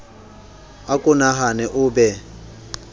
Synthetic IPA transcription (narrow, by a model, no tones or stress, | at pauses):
akʼʊnaɦanɛʔʊːbɛ